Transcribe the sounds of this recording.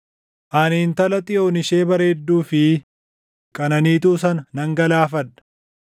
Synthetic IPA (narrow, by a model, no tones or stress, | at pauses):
ʔaːniːnt̪ɐlɐt̪ʼɪjo̞ːnɪʃe̞ːbɐɾeːd̪ːuːfɪ | kʼɐnɐniːt̪uːsɐnɐnɐŋɡɐlaːfɐdːɐ̥